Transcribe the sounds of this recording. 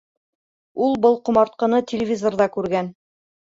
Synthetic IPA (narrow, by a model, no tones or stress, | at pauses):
ulˠbɤlˠqŏmɑɾt̪̚qɤ̆nɤt̪ʲɪlʲɪvʲizorðɑkʉɾɡæn